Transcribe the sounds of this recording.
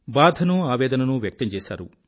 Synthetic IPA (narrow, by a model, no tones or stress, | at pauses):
baːd̪ʱɐnuaːʋɛːd̪ɐnɐnuʋjɐk̚t̪ɐmt͡ʃɛːsa̰ːɾu